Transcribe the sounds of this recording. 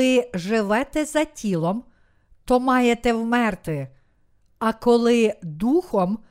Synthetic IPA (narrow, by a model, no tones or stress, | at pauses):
ɪʒɪʋɛt̪ɛzɐtʲilˠɔm | t̪ɔmɑjet̪ɛwmɛrt̪ɪ | ɐkɔlˠɪd̪uxɔm